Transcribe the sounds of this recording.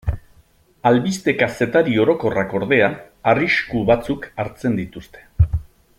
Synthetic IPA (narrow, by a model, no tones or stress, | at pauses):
alβist̪e̞kase̞t̪aɾio̞ɾo̞ko̞rako̞ɾð̞e̞a | ariskuβat͡sukaɾt͡se̞nd̪it̪ust̪e̞̥